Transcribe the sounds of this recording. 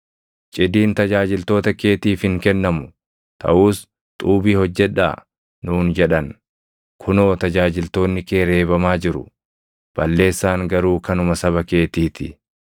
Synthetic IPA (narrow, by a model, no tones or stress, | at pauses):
t͡ʃʼɪd̪iːnt̪ɐd͡ʒaːd͡ʒɪlt̪o̞ːt̪ɐke̞ːt̪iːfhɪŋkɛnːɐmʊ | t̪ʰɐ̰ʔuːs | t̪ʼuːbiːhɔd͡ʒːɛᶑa̰ː | nuːnd͡ʒɛᶑɐn | kʰʊno̞ːt̪ɐd͡ʒaːd͡ʒɪlt̪o̞ːnːɪkʼeːɾe̞ːbɐmaːd͡ʒɪɾʊ̰ | b̥ɐlːe̞ːsːaːŋɡɐɾuːkɐnʊmɐsɐβɐke̞ːt̪iːt̪ɪ